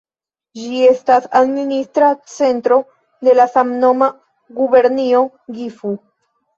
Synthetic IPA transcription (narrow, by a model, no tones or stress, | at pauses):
d͡ʒie̞stasadministɾat͡se̞ntɾo̞ | de̞lasamno̞ma | ɡube̞ɾnio | ɡifu